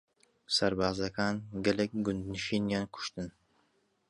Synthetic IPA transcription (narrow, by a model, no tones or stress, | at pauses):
saɾbaːzakanɡɪlɪk̚ʲɡʊnd̪nɪʃinjankʰʊ̥ʃt̪ɪn